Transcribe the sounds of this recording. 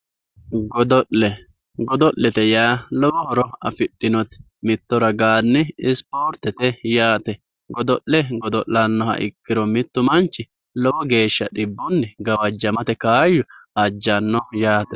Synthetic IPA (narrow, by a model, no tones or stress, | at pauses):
ɡɔd̪ɔʔlɛ | ɡɔd̪ɔʔlɛt̪ɛjaːlɔwɔhɔɾɔɐ̰fɪɗːɪnɔt̪ | mɪt̪ːɔɾɐɡaːnːɪɪspoːɾt̪ːɛt̪ɛjaːt̪ɛ | ɡɔd̪ɔʔlɛɡɔd̪ɔʔlɐnːɔhɐ̰ʔɪ̰kːɪɾɔmɪt̪ːʊmɐnt͡ʃːɪ | lɔwɔɡe̞ːʃːɐɗɪbːɔnːɪɡɐwɐd͡ʒːɐmɐt̪ɛkaːjʊɐd͡ʒːɐnːɔjaːt̪ɛ